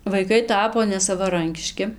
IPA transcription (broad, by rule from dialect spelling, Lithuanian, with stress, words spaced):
ʋɐɪˈkɐɪ ˈtɑːpoː nʲɛsɐʋɐˈrɐŋʲkʲɪʃʲkʲɪ